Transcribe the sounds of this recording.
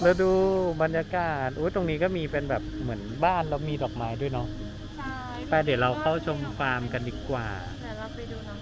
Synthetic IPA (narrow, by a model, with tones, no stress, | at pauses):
lɛ˧˥wduː˧ba˧njaː˧kaː˨˩t̪̚ʔuː˦˥jt̪o˧ŋniː˦˥kɔː˥˩miː˧pe˧nbɛː˨˩p̚mɯ˩˦ənbaː˥˩nlɛ˧˩miː˧dɔː˨˩k̚maː˦˥jdu˥˩˨jnɔ˦˥ | t̪ɛː˨˩di˨˩˦wɾa˧wkʰa˥˩wt͡ɕʰo˧mkʰwaː˧mka˧ndiː˨˩kwaː˨˩˧